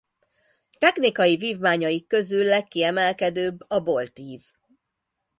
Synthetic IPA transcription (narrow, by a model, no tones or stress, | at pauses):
t̪ɛknikɒjiviːvmaːɲɒjikːø̞zylːɛkːiɛmɛlkɛd̪øːbːɒbo̞lt̪iːv̥